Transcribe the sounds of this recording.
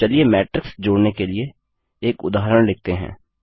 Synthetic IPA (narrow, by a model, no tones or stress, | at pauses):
əliemɛːʈɾɪksd͡ʒoːɽnekelie | eːkʊ̰d̪aːɦɾəɽ̃lɪk̚t̪eɦɛ̰̃ː